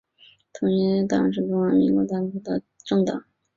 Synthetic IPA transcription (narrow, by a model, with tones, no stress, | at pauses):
t̪ʰʊ˧˥ŋɛ˧˥t̪ɑ˥ɻə̰˧˥nʂ̬ɻ̩˥˩ʈ͡ʂ̪ʊ˥ŋwə˥˩mḭ˧˥ŋkwɔ˧˥t̪a˥fu˥˩d̪ə˧ | ʈ͡ʂɤ˥˩˧ŋt̪ɑ̰˨˩˦ŋ